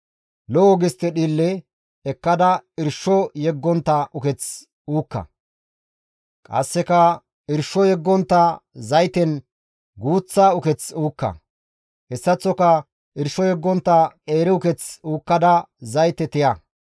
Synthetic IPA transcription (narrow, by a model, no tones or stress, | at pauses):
lɔʔɔɡɪst̪ːɛɗiːlːɛ | ɛkːɐd̪ɐɪɾʃːɔjɛɡːɔnt̪ːɐʔʊkɛt͡s | uːkːɐ̰ | kʼɐ̰sːɛkɐ | ɪɾʃɔjɛɡːɔnt̪ːɐzɐjt̪ɛn | ɡuːt͡sːaːʊkɛt͡suːkːɐ̰ | hɛsːɐt͡sːɔkɐ | ɪɾʃɔjɛɡːɔnt̪ːɐeːɾɪʊkɛt͡suːkːɐd̪ɐzɐjt̪ɛt̪ɪjɐ